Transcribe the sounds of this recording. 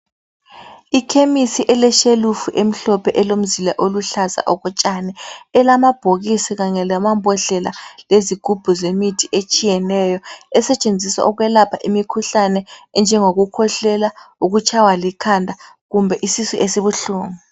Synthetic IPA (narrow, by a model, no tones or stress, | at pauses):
ikʰemisiʔɛlɛʃelufuʔem̩ɬɔpʰɛʔɛlom̩zilaʔoluɬaza̰ʔɔɣɔt͡ʃʼanɛɛlamab̥ʱoɣisiɣaŋɛlamambʱɔɮɛlaleziɡ̥ʱub̥ʱuzemitʰiʔet͡ʃʼijɛnɛjɔɛsɛt͡ʃʼend͡zʱiswa̰ʔuɣwɛlapʰaʔimikʰuɬanɛɛnd͡ʒʱɛŋoɣukʰɔɬɛlauɣut͡ʃʰʼawalikʰandʱa | ɣumbʱɛʔisisuʔesiβuɬuːŋu